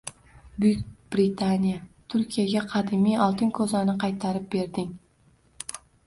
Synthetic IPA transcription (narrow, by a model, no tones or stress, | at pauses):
bʊjkʲb̥ɾɪt̪ʰanijat̪ʰʊɾkʲijaɡʲaqʰɑd̪ɪmijɒlˠt̪ʰɪnkʰɵzanɪqʰɑjt̪ʰaɾɪp̚be̞ɾd̪ɪŋ